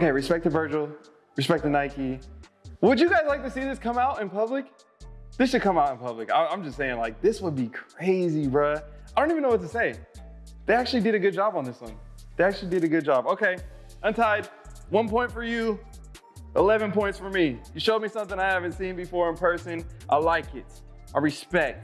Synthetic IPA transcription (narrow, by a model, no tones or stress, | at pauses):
oʊkeɪɹɨspɛk̚tɨvɜ˞d͡ʒl̩ˠ | ɹɨspɛk̚tɨnaɪki | wəd͡ʒɨɡaɪzlaɪk̚tɨsiðɪskʰʌ̃maʊɾɨ̃npʌblɨk | ðɪsʃɨd̚kʰʌ̃maʊɾ̃n̩pʰʌblɨka̰ɪãɪ̃md͡ʒʌstseɪɪ̃ŋlaɪk̚ðɪswəd̚bikʰɹ̥eɪziɹʌaɪdõntivɨ̃nːoʊwʌtɨseɪ | ðeɪæk̚t͡ʃʉl̩ˠidɨɾɨɡʊd̚d͡ʒɑbn̩ðɪswʌ̰̃n | ðeɪæk̚t͡ʃʉl̩ˠidɨɾɨɡʊd̚d͡ʒɑboʊkʰeɪ | ʔɨ̃ntʰaɪd̚ | wʌ̃npʰɔ̃ɪ̃ntfə˞jɨ | ʔəlɛvɨ̃npʰɔ̃ɪ̃ntsfə˞mijɨʃoʊd̚misʌ̃mθɪ̃ŋaɪhævɨ̃ntsĩnbɨfɔɹɨ̃npʰɜ˞sɨ̃nʔa̰ɪlaɪkɪt̚ | ʔaɪɹɨspɛk̚t̚